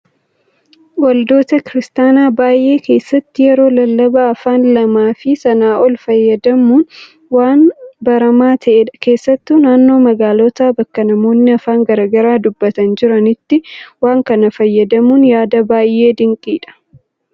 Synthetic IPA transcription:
wɐld̪o̞ːt̪ɐkɪɾɪst̪aːnaːbaːjʔe̞ːke̞ːsːɐt̪ːɪjɛɾo̞ːlɐlːɐbɐːfaːnlɐmaːfɪsɐnaːʔɔlfɐjːɐd̪ɐmuːn | waːnbɐɾɐmaːt̪ʰɐʔeᶑɐke̞ːsːɐt̪ːuːnaːnːo̞ːmɐɡaːlɔt̪aːbɐkːɐnɐmo̞ːnːɪɐfaːŋɡɐɾɐɡɐɾaːd̪ʊbːɐt̪ɐnd͡ʒɪɾɐnɪt̪ːɪwaːŋkɐnɐfɐjːɐd̪ɐmuːnjaːd̪ɐbaːjʔe̞ːd̪ɪŋkʼiːᶑɐ̥

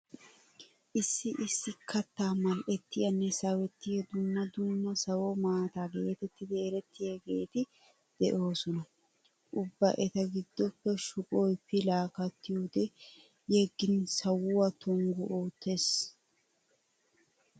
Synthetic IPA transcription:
ʔɪsːɪʔɪsːɪkʰːɐt̪ːaːmɐlʔɛt̪ːɪjɐnːɛsɐwɛt̪ːɪjɛd̪ʊnːɐd̪ʊnːɐsɐwɔmaːt̪aːɡe̞ːt̪ɛt̪ːɪd̪ɛːɾɛt̪ːɪjɐɡe̞ːt̪ɪ | d̪̥ɛʔo̞ːsɔnɐ | ʔʊbːɐʔɛt̪ɐɡɪd̪ːɔpːɛʃʊkʼojpːɪlaːkɐt̪ːɪjoːd̪ɛ | jɛɡːɪnsɐwʊwɐt̪ɔŋɡʊʔoːt̪ːes

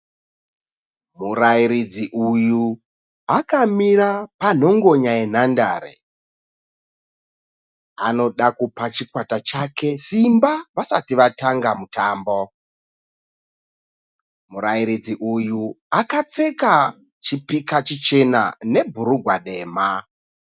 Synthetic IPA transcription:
muraiɾid͡ziʔuju | akamiɾapan̤o̞ŋɡo̞ɲaje̞n̤andaːɾḛ | ano̞ɗakupat͡ʃikwatat͡ʃakʰe̞simbaʋasatiʋataŋɡamutaːmbo | muɾaiɾid͡ziʔuju | akap͡fe̞ka | t͡ʃipikat͡ʃit͡ʃe̞na̰ne̞bʱuɾuɡʱwaɗe̞ːma

